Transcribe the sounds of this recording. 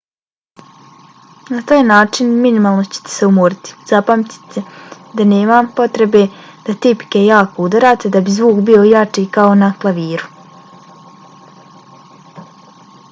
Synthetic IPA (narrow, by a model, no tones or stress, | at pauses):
nat̪aːjnaːt͡ʃinminimaːlˠnot͡ɕe̥t̪e̥seumuːɾit̪i̥z̥apamt̪i̥t̪e | d̪ane̞ːmampo̞t̪ɾe̞be̞d̪̥at̪ipi̥ke̞jaːko̞ud̪aɾaːt̪ed̪abizʋuːkbio̞jat͡ʂiːkao̞naklˠaʋiːɾu